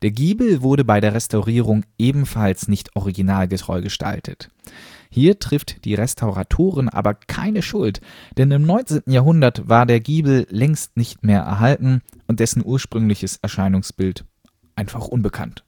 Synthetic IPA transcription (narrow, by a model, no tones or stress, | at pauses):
d̥eːɐɡiːbl̩vʊɐɾəbaɪɾeːɐʁɛstʰaʊʁiːʁ̞ʊŋʔeːbm̩falsnɪçtʔɔʁiɡinaːlɡətʁ̥ɔ̰ʏɡəʃtʰa̰ltʰə̰t | hiːɐtʁ̥ɪftd̥iːʁɛstʰaʊʁatʰoːʁənʔa̰ːbɐkʰa̰ɪnəʃʊltd̥ɛnɪmnɔʏnt͡seːntn̩jaːɐɦʊndɐtvaːɐdeːɐɡiːbl̩lɛŋstnɪçtmeːɐʔɛ̰ɐɦaltn̩ | ʔʊnt̚d̥ɛsn̩ʔuːɐʃpʁ̥ʏŋlɪçəsɛɐʃaɪnʊŋsb̥ɪlt | ʔaɪnfaχʔʊnbəkʰa̰nt